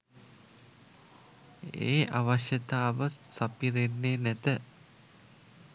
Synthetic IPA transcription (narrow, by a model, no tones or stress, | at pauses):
ḛːʔaʋaʃjət̪aːʋəsapiɾenːeːnæt̪ə